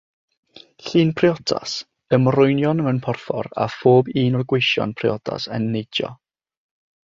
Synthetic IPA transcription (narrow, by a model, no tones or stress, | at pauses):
ɬiːnpʰrɪɔdʰa̰s | əmrʊjnjɔnəmənpʰɔrfɔ̰ɾa̰foːbiːnɔrɡwɪjʃjɔ̰npʰrɪɔda̰sə̰nːejdjɔ̰